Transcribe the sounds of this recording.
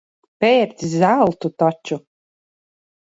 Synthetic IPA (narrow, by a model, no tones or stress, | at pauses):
pɛːɾt̪sʲzalˠt̪ut̪ɔt͡ʃu